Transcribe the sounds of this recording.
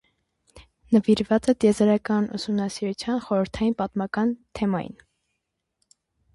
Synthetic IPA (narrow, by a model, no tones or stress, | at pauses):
nəviɾvɑt͡sɛt̪jɛzɑɾɑkɑnṵsumnɑsiɾut͡sʰjɑnχɔɾəɾt̪ʰɑjinpɑt̪mɑkɑnt̪ʰɛmɑjḭn